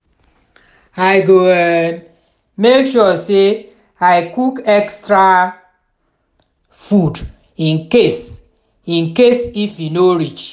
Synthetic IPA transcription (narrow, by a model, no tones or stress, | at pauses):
aɪɡo | mekʃɔse | aɪkukɛkstɾa | fud | ĩnkes | ĩnkesifinoɾit͡ʃ